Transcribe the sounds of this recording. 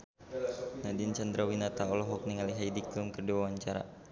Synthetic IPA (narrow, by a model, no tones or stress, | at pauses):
nadint͡ʃand̪ɾawinat̪aɔlɔɦɔk̚niŋaliɦajdiklumkərdiwawaɲt͡ʃaɾa̰